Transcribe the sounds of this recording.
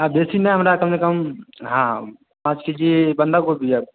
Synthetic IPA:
ãbesineɦəmɾakəmsekəmɦã | pãt͡ʃkid͡ʒibənd̪ʱaɡobia

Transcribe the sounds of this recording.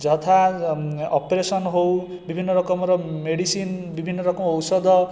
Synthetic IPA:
d͡zʌt̪ʰa | ʌpresʌnɦow | bibʱinːʌɾʌkʌmɾʌmeɽisinbibʱinːʌɾʌkʌmʌwsʌd̪ʌ

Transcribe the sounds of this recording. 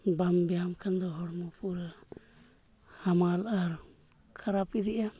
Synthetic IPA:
bambɛamkʰand̪ɔɦɔɽmɔpʰuɾa | hamalaɾ | kʰaɾap̚id̪ɛʔa

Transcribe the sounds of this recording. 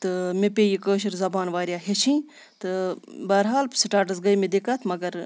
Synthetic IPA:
t̪ɨmepʲeːjikəːʃ̬ɐɾzɐbaːnʋaːɾʲjaːɦet͡ʃʰĩː | t̪ɨbɐːɾɦaːlsiʈaːɾʈɐzɡɐjmed̪ekat̪ʰmɐɡɐɾ

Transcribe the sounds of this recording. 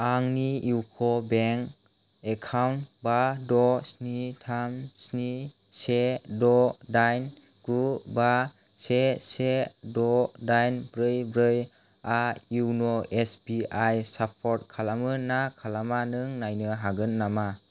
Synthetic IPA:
aŋniiwkʰɔbeŋk | ekʰawnbadɔsnitʰamsni | sedɔdajn | ɡ̥uba | sesedɔdajnbɾɯjbɾɯj | aiwnɔesbiajsapʰɔɾt̚kʰalamɯnakʰalamanɯŋnajnɯɦaɡɯnːama

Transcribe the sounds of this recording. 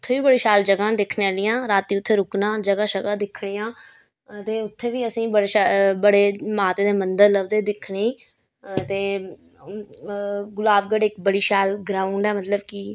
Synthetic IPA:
t̪ʰːeːʋiːbəɽiːʃaːld͡ʒəɡãːd̪ɪkʰneːaːlɪjãːɾaːt̪iːʊt̪ʰːeːɾʊknãːd͡ʒəɡaːʃəɡãːd̪ɪkʰɽiːãː | t̪eːʊt̪ʰːeːʋiːəsĩːbəɽeːʃbəɽeːmaːt̪eːd̪eːmənd̪əɾləʋd̪eːd̪ɪkʰɽeː | t̪eː | ɡʊlaːbɡəɽɪkbəɽiːʃaːlɡɾãːʊɳɖɛːmət̪ləbki

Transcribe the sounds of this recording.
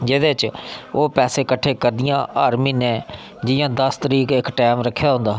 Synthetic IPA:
d͡ʒeːd̪eːt͡ʃoːpɛːseːkəʈʰːeːkəɾd̪ɪjãːʔaːɾmiːnɛ̃ː | d͡ʒɪjãːd̪əst̪əɾiːkɪkʈɛːmɾəkʰːjaːɦʊ̃nd̪aː

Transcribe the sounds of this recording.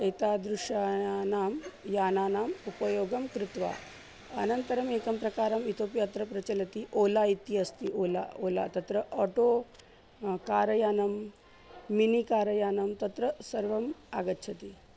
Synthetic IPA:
ɐjt̪aːd̪ɾuʂaːnaːmjaːnaːnaːmupɐjoːɡɐmkɾɪt̪ʋa̰ː | ɐnɐnt̪ɐɾɐmeːkɐmpɾɐkaːɾɐmit̪ʰoːpjaːt̪ɾɐpɾɐt͡ʃɐlɐt̪iʔoːlaːit̪iɐst̪iʔoːla̰ːoːla̰ːt̪ɐt̪ɾɐʔɔːʈoː | kaːɾɐjaːnɐmː | inikaːɾɐjaːnɐmt̪ɐt̪ɾɐsɐɾʋɐmaːɡɐtːt͡ʃʰɐt̪i

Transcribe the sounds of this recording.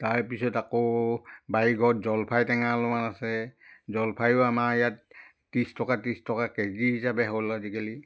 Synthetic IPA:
taɹpisɔtakobaiɡɔtzɔlpʰajtɛŋalɔmanasɛzɔlpʰajʊamaijatː | istɔkatistɔkakezizabɛɦɔlazikeli

